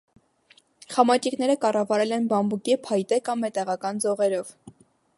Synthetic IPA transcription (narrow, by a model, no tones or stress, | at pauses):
χɑmɑt͡ʃiknɛɾəkɑrɑvɑɾɛlɛnbɑmbukipʰɑjt̪ɛkɑmːɛt̪ɛʁɑkɑnd͡zɔʁɛɾɔv